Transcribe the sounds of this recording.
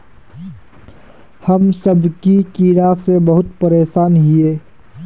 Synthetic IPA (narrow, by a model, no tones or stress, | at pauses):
hɐmsəbkikiːɾasebɐɦʊt̪pəɾeːʃaːnɦieː